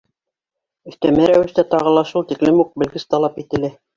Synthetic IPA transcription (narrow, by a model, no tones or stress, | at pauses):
ɵ̆θt̪æmæɾæwɘ̆ʃt̪æt̪ɑʁɤ̆lˠɑʃulˠt̪iklɘmuq̚bɘ̆lɡɘst̪ɑlˠɑpit̪ɘ̆lɘ